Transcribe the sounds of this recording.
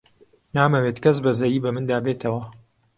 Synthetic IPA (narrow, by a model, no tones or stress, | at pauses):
naːmɐweːt̪kɐs̬bɐzɐjiːbɐmɨnd̪aːbeːt̪ʰɐwɐ